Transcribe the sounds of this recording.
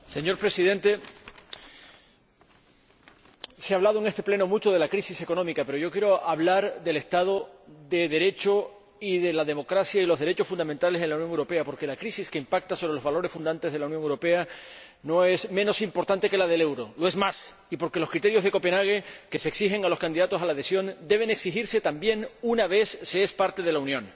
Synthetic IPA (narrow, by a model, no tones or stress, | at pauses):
se̞ɲo̞ɾpɾe̞siðe̞nt̪e̞ | seaβlaðoeŋest̪e̞ple̞no̞mut͡ʃo̞ðe̞lakɾisise̞ko̞nomikape̞ɾoʝo̞kjeɾo̞aβlaɾðe̞le̞st̪að̞o̞ðe̞ðe̞ɾe̞t͡ʃo | iðe̞laðe̞mo̞kɾasjailoðe̞ɾe̞t͡ʃo̞sfund̪amẽnt̪ale̞se̞nlauwnjoŋewɾo̞peapo̞ɾke̞lakɾisiske̞impak̚t̪asoɾelozβalo̞ɾe̞sfund̪ant̪ezð̞e̞launjoŋewɾo̞pe̞a | no̞e̞smeno̞simpo̞ɾt̪ant̪e̞ke̞laðe̞le̞wɾo̞lo̞e̞zmas | ipo̞ɾke̞lo̞skɾit̪e̞ɾjo̞zðe̞ko̞pe̞naɣ̞e̞ke̞seːksixe̞ŋalo̞skand̪iðat̪o̞salað̞e̞sjo̞nd̪e̞β̞e̞ne̞ksixiɾse̞t̪ambje̞ŋunaβ̞e̞sːeespaɾt̪e̞ð̞e̞launjõ̞ŋ